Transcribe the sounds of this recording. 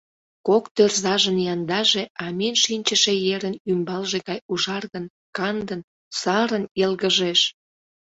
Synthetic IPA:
kokt̪ørzɑʒənjɑnd̪ɑʒeɑmenʃinʲt͡ɕəʃejeɾənymbɑlʒeɣɑjuʒɑrɣən | kɑnd̪ən | sɑɾənelɣəʒeʃ

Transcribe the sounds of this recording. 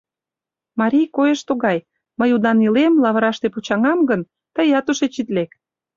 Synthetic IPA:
mɑɾʲijkojeʃt̪oɣɑj | məjud̪ɑnilemlɑβə̆ɾɑʃt̪eput͡ɕɑŋɑmɡən | t̪əjɑt̪uʃet͡ɕit̪lek

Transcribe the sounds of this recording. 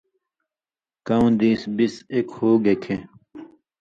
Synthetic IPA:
kɐũd̪iːsbisekhoːɡekʰẽ

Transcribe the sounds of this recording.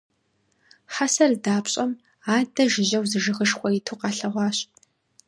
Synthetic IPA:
ħasɐrdaːpɕʼɐm | aːdɐʒɪʑɐwzɨʒɨʁəʂxʷɔitʰuqɑːɬɐʁʷɑːɕ

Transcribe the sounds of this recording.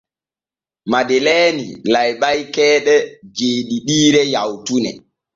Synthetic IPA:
madelɛːnḭlajɓajkɛːɗɛd͡ʒeːɗiɗiːɾɛjawtunɛ̰

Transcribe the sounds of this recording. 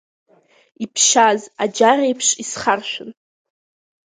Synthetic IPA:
ipʰʃazad͡ʒarejpʰʂisχarʃʷᶣʊn

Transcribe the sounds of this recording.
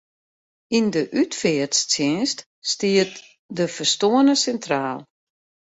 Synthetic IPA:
indəʔytfɪərtst͡sɪnst | stiət | dəfərstoənəsɛntraːlˠ

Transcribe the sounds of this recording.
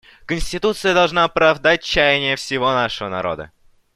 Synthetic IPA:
kənʲsʲtʲɪt̪ut̪sɨjəd̪ɐlˠʐnaɐpɾɐvd̪at̚ʲt͡ɕːajɪnʲɪjəfsʲɪvo̞naʂəvənɐ̰ɾo̞̰d̪ə̰

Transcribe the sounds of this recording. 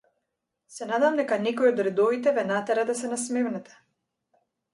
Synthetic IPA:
sɛnad̪vamd̪ɛkanɛkɔjɔd̪ɾɛd̪ɔvit̪ɛvɛnat̪ɛɾad̪asɛnasmɛvnɛt̪ɛ̥

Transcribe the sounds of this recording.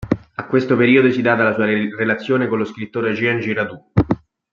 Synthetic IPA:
akːwest̪opeɾiːod̪osid̪aːt̪alasuːarelat̪sːjoːnekoloskɾit̪ːoːɾad͡ʒiɛnd͡ʒirad̪u

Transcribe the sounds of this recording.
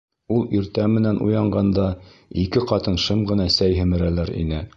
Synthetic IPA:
ulˠiɾt̪æmɘ̆nænʔṵjɑɴɢɑnd̪ɑikɘqɑt̪ɤ̆nʃɤmʁɤ̆nɑsæjɦɘ̆mɘ̆ɾælæɾḭnɘ

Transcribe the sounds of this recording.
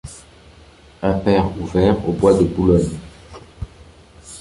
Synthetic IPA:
ɛ̃pɛʁuvɛʁo̰bwad̪əbulɔɲ

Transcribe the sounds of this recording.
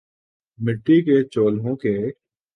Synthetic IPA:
mɪʈːiːkeːt͡ʃoːlɦõːkeː

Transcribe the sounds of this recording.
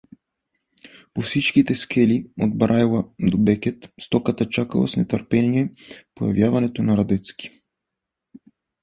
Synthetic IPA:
pɔfsit͡ʃkit̪ɛskɛliɔd̪̚bɾʔalˠad̪ɔbɛkʲɛt̪st̪ɔkat̪at͡ʃaka̰lˠa̰snɛt̪əɾpɛnijɛpoja̰vjavanɛt̪onaɾad̪ɛt̪ski̥

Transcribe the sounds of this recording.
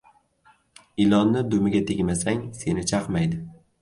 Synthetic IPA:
ɪlɒnːɪd̪ʊmɪɡʲat̪ʰeɡʲmasaŋse̞nɪt͡ʃʰaqmajd̪ɪ

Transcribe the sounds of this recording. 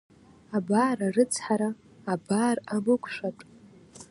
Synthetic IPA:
abaːɾarɨt͡sʰħaɾaː | baːramɨkʷʰʼʂatʼ

